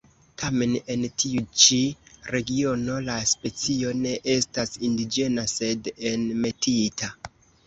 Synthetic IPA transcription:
tʰame̞ne̞ntʰiut͡ʃiɾe̞ɡio̞no̞laspe̞t͡sio̞ne̞ʔe̞stasindid͡ʒe̞nase̞denme̞tita

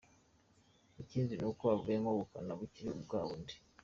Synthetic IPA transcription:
iciːnzinukoβavujemoβukanaβuciɾiubɡaːβundi̥

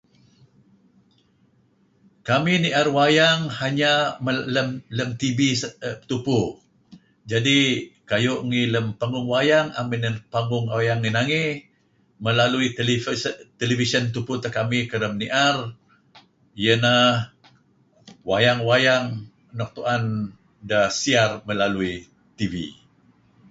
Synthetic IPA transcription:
kaminiʔarwajaŋhaɲamələmləmt̪ibist̪upu | d͡ʒadikajoʔŋiləmpaŋɡʊŋwajaŋa̰minəpaŋɡʊŋawjaŋːinaŋi | məlaluilt̪elifisənt̪upʊt̪əkamikəɾəmniʔar | jənah | wajaŋwajaŋ | nɔk̚t̪uʔan | dahsiarməlalui | t̪ivḭ

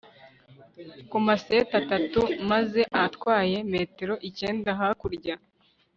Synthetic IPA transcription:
kumase̞ːtatatumaze̞ʔatkwaːje̞me̞ːte̞ɾo̞ʔice̞ːndaɦakuɾɟa

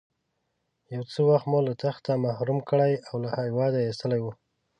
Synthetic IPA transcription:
jawt͡səwaxt̪molat̪axt̪amahɾumkəɽajawlahajwɑd̪aist̪əlajwu

